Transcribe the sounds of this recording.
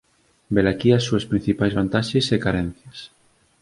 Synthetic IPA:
belakiasːuespɾin̟θipajzβant̪aʃesekaɾɛn̟θjas

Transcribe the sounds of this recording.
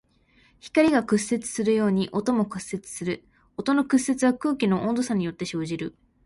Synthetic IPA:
çi̥kaɾʲiɡakɯ̟se̞t͡sɨ̥sɨɾɯ̟jo̞ːɲ̟iʔo̞t̪omo̞kɯ̟sːe̞t͡sɨ̥sɨɾɯ̟ | o̞t̪ono̞kɯ̟sːe̞t͡sɨβakɯ̟ːkʲino̞ʔõ̞nd̪o̞saɲ̟ijo̞t̪ːe̞ɕo̞ːʑiɾɯ̟

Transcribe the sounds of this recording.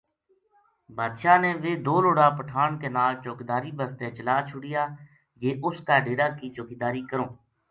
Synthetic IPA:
bʱaːd̪ʃaːneːʋeːd̪oːloːɽaːpəʈʰaːɳkeːnaːlt͡ʃoːkːd̪aːɾiːbəst̪ẽːt͡ʃəlaːt͡ʃʰʊɽɪjaː | d͡ʒeːʔʊskaːɖeːɾaːkiːt͡ʃoːkid̪aːɾiːkəɾõː

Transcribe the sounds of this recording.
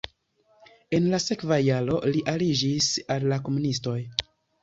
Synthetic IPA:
e̞nlase̞kvajalo̞liʔalid͡ʒisalːako̞munisto̞j

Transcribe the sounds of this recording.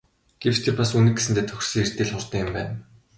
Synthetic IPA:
ɡ̥ew̥t͡ɕt̪ʰeːpasunɘ̆k̚ɡe̥s̬ɘ̆nt̪eːt̪ʰɵ̥x̆rsiːert̪eːɮχʊrt̪ə̆ŋɪ̆mpæ̰ːn

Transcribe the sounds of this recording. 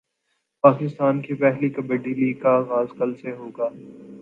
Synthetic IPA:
paːkɪst̪aːnkepɛɦlikɐbeɖiːliːkaːɣaːzkɐlseɦoːɡaː

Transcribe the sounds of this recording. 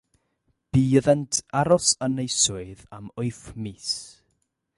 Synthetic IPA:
b̥iːəðɛntʰaɾɔsənejsʊɨðamʊɨfmiːs

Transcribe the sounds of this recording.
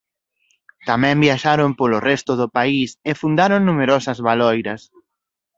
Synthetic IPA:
t̪amɛ̃mbjaʃaɾompolʊrɛst̪ʊðʊpaisefund̪aɾoŋnumeɾɔsɐzβalɔjɾɐs

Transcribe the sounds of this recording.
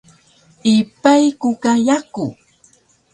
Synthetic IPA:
ipajkukajaku

